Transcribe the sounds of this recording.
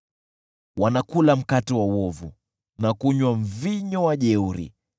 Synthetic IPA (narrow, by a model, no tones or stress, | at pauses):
wanakulam̩katɛwawɔvṵ | nakuɲwaɱ̩viɲɔwaʄɛuɾḭ